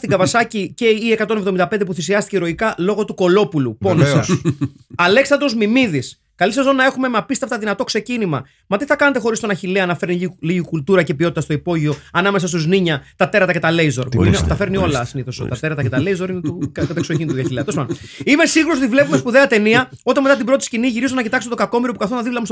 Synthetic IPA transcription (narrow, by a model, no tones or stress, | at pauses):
st̪iɡɐvɐsɐcice̞iekɐt̪o̞nevðomind̪ɐpend̪epuθisiɐst̪iceɾo̞ikɐlo̞ɣo̞t̪uko̞lo̞puluponosɐ̰s | ɐle̞ksɐd̪ozmimiðis | kɐlisɐzonɐe̞xume̞mɐpist̪eɐft̪ɐðinɐt̪o̞kse̞cinimɐ̰ | mɐt̪iθɐkɐne̞t̪e̞xo̞ɾist̪o̞nɐçileɐnɐfe̞ɾniliʝikult̪uɾɐce̞pioit̪ɐst̪o̞ipo̞ʝio̞ɐnɐme̞sɐst̪uzniɲɐt̪ɐt̪e̞ɾɐt̪ɐcet̪ɐle̞jzo̞ɾpinet̪ɐfe̞ɾnio̞lɐsiniθoso̰t̪ɐ̰t̪e̞ɾɐt̪ɐkcet̪ɐle̞jzo̞ɾinet̪ukɐt̪ɐksoçinit̪ɐçileɐt̪ospɐnime̞siɣuɾos̬ot̪ivle̞pumespuðe̞ɐt̪e̞niɐ | o̞t̪eme̞t̪ɐt̪̬ibɾo̞t̪isciniʝiɾizunɐcit̪ɐkset̪et̪ɡɐko̞miɾopukɐθo̞znɐðivlɐmus